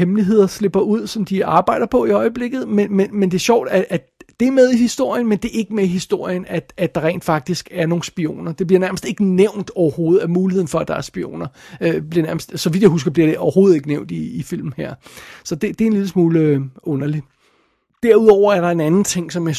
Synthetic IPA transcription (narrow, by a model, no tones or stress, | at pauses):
hemliɦe̝ð̞̰ˠɐsle̝b̥ɐʔuð̞̰ˠsɒ̽md̥iɑ̈ːb̥ɑ̈ɪ̰d̥ɐpʰɒ̽iɒ̽ɪəb̥le̝ɡ̥ð̞̩ˠmenmenmend̥e̝ɐɕɒʊ̰d̥æʔæ | d̥e̝æɐmeð̞ˠihisd̥o̝ɐ̰jənmend̥e̝e̝ɡ̥əmeihisd̥o̝ɐ̰jənæ̥æ̥ɑ̈ʁɛ̰ːnd̥fɑ̈ɡ̥̚d̥isɡ̥æɐno̝ːn̩sb̥io̝̰ːnɐd̥e̝b̥liɐnæɐməsd̥e̝ɡ̥əneʊ̰nd̥ɒʊɐho̝ːð̩ˠæɐmuːlie̝ð̰ˠn̩fɒ̽æd̥ɑ̈æɐsb̥io̝̰ːnɐøb̥liɐnæɐməsd̥sɒ̽ʋid̥jahus̬ɡ̥ɐb̥liɐɾ̥e̝ʔɒʊɐho̝ːð̞̩ˠe̝ɡ̥əneʊ̰nd̥iːfil̰m̩heɐ̰sɒ̽d̥e̝d̥e̝enliləsmuːləɔ̽nɐli | d̥æɐuðˠɒʊ̰ɐæɐɾɑ̈e̝nænn̩t͡sʰe̝ŋ̰sɒ̽mjɑ